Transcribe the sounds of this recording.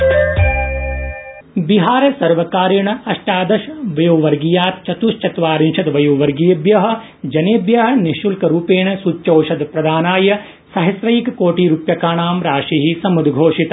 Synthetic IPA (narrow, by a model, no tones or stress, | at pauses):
biɦaːɾɐsɐɾʋɐkaːɾjɐɳɐɐʂʈaːd̪ɐʃʋɐjuːʋɐɾɡijaːt̪̚t͡ʃɐt̪uʂt͡ʃɐt̪ʋaːɾinʃɐd̪ʋɐjuːʋɐɾɡijɐbjɐɦɐ̆ | d͡ʒɐneːbjɐɦɐ̆niʃulkɐɾuːpeːɳɐsut͡ʃt͡ʃoːʃɐd̪pɾɐd̪ʱaːnaːjɐ | sɐɦɐsɾɐjikɐkoːʈiːɾupjɐkaːɳaːmɾaːʂiɦisɐmud̪ɡʱoːʂit̪ɐ